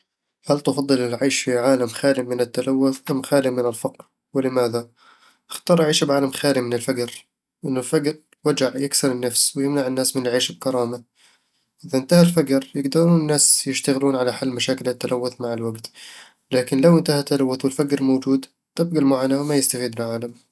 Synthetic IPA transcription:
halt̪ɑfɑd̪ˤːɨlɪlʕaːʃfiʕaːlamxaːlɪmɪnɪt̪ːalawːʊθʔamxaːlɪmɪnɪlfɑqɾ | wɪlɪmaːða | ʔɪxt̪ɑːɾˤʔaʕiːʃbʕaːlamxaːlimɪnɪlfaɡɾ | ʔɪnːʊlfaɡɾ | wad͡ʒaʕjɪksɪɾɪnːafswɪjɪmnaʕɪnːaːsmɪnʕiːʃb̚kɑɾˤɑːma | ʔɪðaʔɪnt̪ahalfaɡɾjɪɡd̪ɑɾuːnɪnːaːsjɪʃt̪aɣɪluːnʕalaħalːmaʃaːkɪlɪt̪ːalʔawːʊθmaʕɪlwaɡt̪ | laːkɪnlawʔɪnt̪ahat̪ːalawːʊθwɪlfaɡɾmoːd͡ʒuːd̪ | t̪ɪbɡalmaʕanawmajɪst̪afiːd̪ɪlʕaːlam

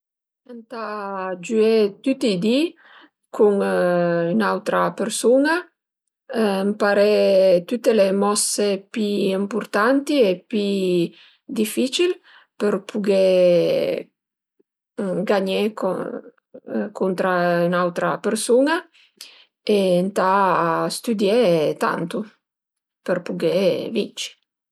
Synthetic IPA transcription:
ant̪ad͡ʒyet̪ut̪ːid̪i | kʰuŋ | ynawt̪ɾapeɾsuna | mpaɾet̪ut̪ːelemɔsepiimpuɾt̪ant̪iepi | d̪ifit͡ʃil | perpʰuɡe | ɡaɲek | kʰunt̪ɾaynawt̪ɾa̰persuna | ent̪ast̪ud̪jɛt̪a̰nt̪u | perpuɡevḭnt͡ʃi̥

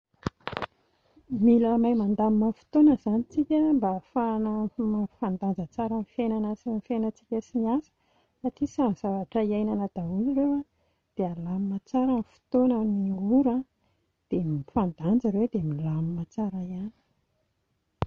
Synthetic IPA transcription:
milamajmand̪ammafi̥t̪onəzanit͡sikʲəmbafanafand̪and͡zət͡saɾənfenanasinifenət͡si̥kʲəsiniasə̥ | saʈ͡ʂisanz̥avaʈ͡ʂəiajnanəd̪̥auliɾewa | d̪̥ealamimat͡saɾənfi̥t̪onəniuɾa | d̪̥emifand̪and͡zaɾewd̪emilamimat͡saɾajani̥

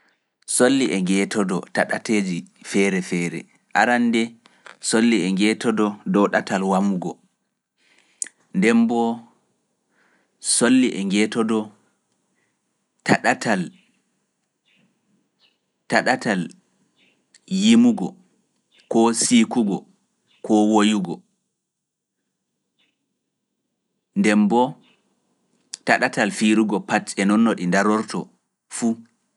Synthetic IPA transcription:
solːiʔɛŋɡɛːtʰɔdɔtaɗateːd͡ʒifɛɾɛfɛːɾɛ̰ | ʔa̰ɾandɛ | solːiɛŋɡɛtɔdɔdɔɗatalwamuɡɔ | ndɛmbɔ | solːiʔɛŋɡɛtɔdɔ | taɗatʰal | taɗatal | jimuɡɔ | kɔsikuɡɔ | kʰɔwojuɡɔ | ndɛmbɔ | taɗatalfiɾuɡɔpatɛnɔnːɔɗindaɾɔɾtɔ̰ | fu

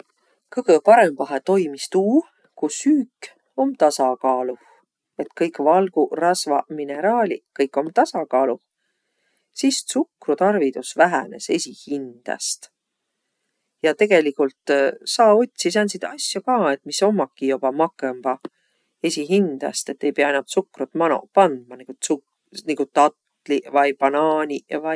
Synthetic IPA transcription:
kɤɡ̥əpɑɾemb̥ɑɦet̪o̞jmist̪uː | kusyːkːˑ | o̞mt̪ɑsɑkɑːluh | e̞t̪kɤjkːˑvɑlɡ̥urɑsvɑmine̞ɾɑːlʲḭkɤjkːˑo̞mt̪ɑsɑkɑːlu | sissukrut̪ɑrvid̪usvæɦæne̞̰se̞sʲihind̪̥ɑ̰st̪ | jɑt̪e̞ɡ̥e̞likult̪sɑːo̞t̪̚ʲsis̬ɑnsid̪̥ɑsʲjokɑːe̞t̪ːmiso̞mːɑkːijob̥ɑmɑkˑemb̥ɑ | e̞sʲiɦind̪̥ɑ̰st̪e̞t̪ːe̞jpeɑenɑt̪sukrut̪mɑno̰pɑnd̪̥̚mɑniɡusu | niɡut̪ɑt̪ | livɑjpɑnɑːnʲivɑ

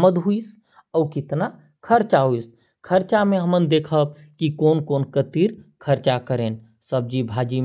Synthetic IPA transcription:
məd̪ɦuis | əwkɪt̪na | kʰəɾt͡ʃaɦuis | kʰəɾt͡ʃameɦəmənd̪ekʰəb̚ | kikonkonkət̪iɾkʰəɾt͡ʃakəɾen | səb̚d͡ʒibʱad͡ʒi

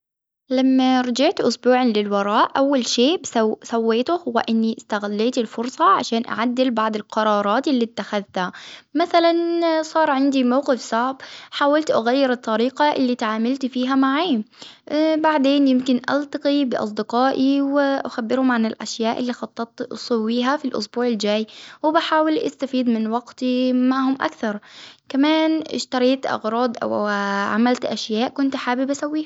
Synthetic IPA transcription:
lamːaɾˤɑd͡ʒaʕt̪ʔʊsbuːʕanlɪlwɑɾˤɑːʔʔawːalʃeːbsawːeːt̪ʊhʊwa̰ʔɪnːiʔɪst̪aɣalːeːt̪ɪlfʊɾsˤɑʕa̰ʃaːnʔa̰ʕad̪ːɪlbɑʕd̪ˤɪlqɑɾˤɑːɾˤɑːt̪ʔɪlːit̪ːaxaðt̪hamaθalansˤɑːɾˤʕɪnd̪imawqɪfsˤaʕbħaːwalt̪ʔaɣajːɪɾɨt̪ˤːɑɾiːqaʔɪlːiːt̪ʕaːmalt̪fiːɦamaʕaː | baʕd̪eːnjɪmkɪnʔa̰lt̪ɑqibɪʔɑ̰s̬ˤd̪ɪqɑːʔiwɪʔaxabːɪɾhʊmʕanɪlʔa̰ʃjaːʔɪlːiːxɑt̪ˤːɑt̪ʔsˤɑwːiːɦafilʔʊ̰sbuːʕɪld͡ʒaːjwɪbaħaːwɪlʔa̰st̪afiːd̪mɪnwaɡt̪imaʕhʊmʔa̰kθɑɾˤkamaːnʔɪ̰ʃt̪ɑɾˤiːt̪ʔɑ̰ɣɾˤɑːd̪ʔa̰waʕa̰malt̪ʔaʃjaːʔkʊnt̪ħaːbɪbʔasawːiːha

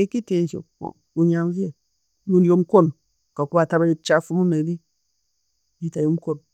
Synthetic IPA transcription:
ekitenso̰o̰ | uɲamvie | junjomkon | kakubatabait͡ʃafumunedi | itajomkon

